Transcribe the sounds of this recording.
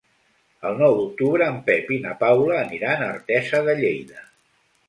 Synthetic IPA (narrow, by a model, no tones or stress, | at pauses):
əlˠnɔwðuk̚t̪uβɾəːmpɛpinəpawləːniɾaːnəɾt̪ɛzəðəʎejðə